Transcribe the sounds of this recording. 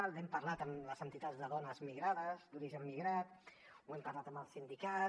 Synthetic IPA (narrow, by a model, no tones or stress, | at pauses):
alˠd̪ɛmpərlat̪əmləzənt̪it̪ad͡zðəðɔnəzmiɣɾaðəzd̪uɾiʒəmːiɣɾat̪ | wɛmpəaɾlat̪əməlˠsind̪ika